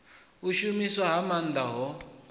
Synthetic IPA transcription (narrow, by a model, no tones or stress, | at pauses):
uʃumiswaɦamand̪aɦɔ